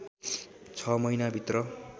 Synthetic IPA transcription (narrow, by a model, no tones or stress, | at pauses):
t͡sʰʌmʌjnabʱit̪rʌ